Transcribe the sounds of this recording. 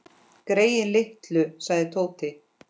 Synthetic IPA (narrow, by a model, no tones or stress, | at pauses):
kɾeːjɪnlɪht̪lʏsaɣðɪt̪ʰoːwt̪ɪ